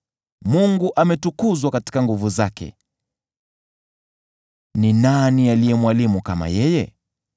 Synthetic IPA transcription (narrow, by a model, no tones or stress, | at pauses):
muŋɡuʔamɛtukuzwakati̥kaŋɡuvuzakɛ̰ | ninanialijɛmwalimukama̰jɛjɛ̰